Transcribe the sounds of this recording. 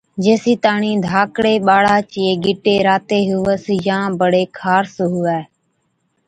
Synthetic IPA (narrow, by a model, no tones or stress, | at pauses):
d͡ʒeːsiːt̪aːɳĩːd̪ʱaːkɽeːɓaːɽaːt͡ʃɪeːɡɪʈeːɾaːt̪eːɦʊʋəsjãːbəɽeːkʰaːɾsɦʊːɛː